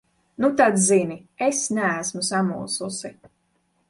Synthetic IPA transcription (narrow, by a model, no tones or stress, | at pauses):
nut̪ad̪ziniesnææsmusamṵːsusi